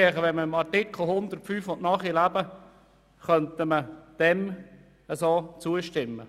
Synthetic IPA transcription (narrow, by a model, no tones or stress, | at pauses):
iχəʋɛnməɪmɑtɪkχl̩ˠhʊnd̪ərtfyːfʊnʔnɑːχilæb̥ə | χœnt̪əməd̪̥ɛm | əsoːt͡suəʃtɪmːə